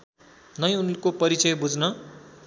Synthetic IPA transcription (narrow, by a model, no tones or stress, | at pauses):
nʌj̃unkopʌɾit͡sʌjbud͡znʌ